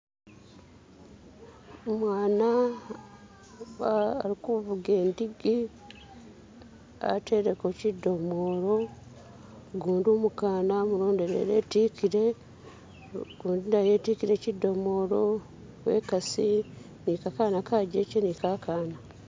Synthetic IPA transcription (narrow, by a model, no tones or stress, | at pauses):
mwaːna | ɾikuβuɡe̞ːndiɡi | a̰tʰe̞ɾekocidːo̞mo̞ːɾo̞ | ɡuːndumukaːnamuɾo̞ːnde̞ɾḛɾeːtikiɾe | ɡ̥uːndinajetikiɾe̞cidːo̞mo̞ːɾo̞ | wḛːkasi | nikakanakaːɟeːcenikakʰaːna